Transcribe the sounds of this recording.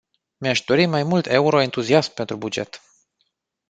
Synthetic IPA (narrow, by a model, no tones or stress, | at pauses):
meaʃd̪o̞ɾimajmult̪ʰe̞uɾo̞ent̪uziasmpe̞nt̪ɾubud͡ʒe̞̰t̪